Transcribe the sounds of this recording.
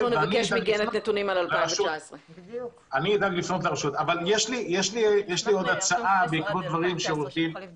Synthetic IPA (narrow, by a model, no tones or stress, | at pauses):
lonevanieʃmiɡenetnet̪unimalalleʁaʃuasʁe | aniːd̪aɡlifnot̪leʁaʃut̪avaljeʃlijeʃlijeʃlio̞d̪at͡saʔabeikbot̪̚d̪vaʁimʃeʁot̪im